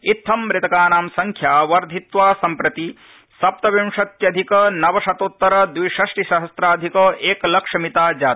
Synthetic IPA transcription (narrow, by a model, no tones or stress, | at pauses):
it̪ʰːɐmːɾɪt̪ɐkaːnaːmsɐŋkʰjaːʋɐɾd̪ʱit̪ʋaːsɐmpɾɐt̪i | sɐp̚t̪ɐʋimʂɐt̪jɐd̪ʱikɐnɐʋɐʃɐt̪ot̪ːɐɾɐd̪ʋijʃɐʂʈiʃɐɦɐsɾaːd̪ʱikɐʔeːkɐlɐkʂɐmit̪aːd͡ʒaːt̪i̥